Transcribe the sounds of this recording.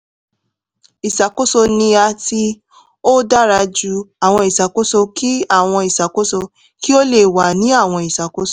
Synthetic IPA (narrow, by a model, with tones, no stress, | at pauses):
i˨sa˨ko˦so˧nĩ˧a˧ti˧ | o˦da˦ɾa˧d͡ʒu˧˦a˨w̃ɔ̃˧i˨sa˨ko˦so˧ki˦a˦˨w̃ɔ̃˧i˨sa˨ko˦so˧ | ki˦o˦le˦˨wa˨nĩ˨˦a˦˨w̃ɔ̃˧i˨sa˨ko˦so˧˨